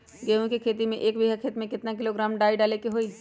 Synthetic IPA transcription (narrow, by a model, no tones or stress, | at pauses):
ɡeːũkikʰeːt̪imẽʔeːkbiɦakʰeːt̪mẽkɪt̪nakɪloɡɾaːmɖaːiɖaːlekeɦoːi